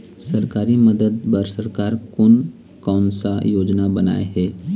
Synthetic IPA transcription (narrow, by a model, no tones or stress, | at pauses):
sɐɾkaːɾimɐd̪əd̪̚pɐɾsɐɾkaːɾkʊn | kaːnsajoːd͡ʒnabɐna̰ːḛɦɛː